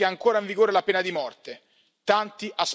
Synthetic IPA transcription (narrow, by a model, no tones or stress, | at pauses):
eaŋkoːɾaiɱviɡoːɾelapeːnad̪imɔrt̪e | t̪ant̪iʔas